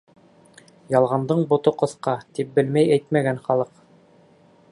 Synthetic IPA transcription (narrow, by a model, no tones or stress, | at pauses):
jɑlˠʁɑnd̪ɤɴbŏt̪ŏqɤ̆θqɑt̪ip̚bɘlmæjæjt̪mæɡænχɑlˠɤq